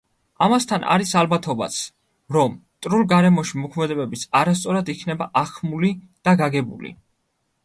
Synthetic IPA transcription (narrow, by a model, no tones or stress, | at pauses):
amast̪ʰanʔa̰ɾisalbat̪ʰɔba̰t̪sʰ | ɾɔmt̪ʼɾulˠɡaɾɛmɔʃimɔkʰmɛd̪ɛbɛbisʰaɾast̪sʼɔɾad̪ikʰnɛbaʔaχʰmuli | d̪̥aɡaɡɛbṵlḭ